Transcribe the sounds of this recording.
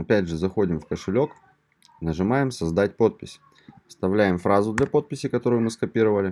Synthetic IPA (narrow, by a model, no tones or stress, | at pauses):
ɐpʲædʲʐɨzɐxo̞dʲɪmfkəʂɨlʲo̞k | nəʐɨmajɪmsɐzd̪at̚ʲpo̞t̪̚pʲɪsʲ | st̪ɐvlʲæjɪmfɾazʊd̪lʲɐpo̞t̪̚pʲɪsʲɪkɐt̪o̞ɾʊjʊmɨskɐpʲiɾəvəlʲɪ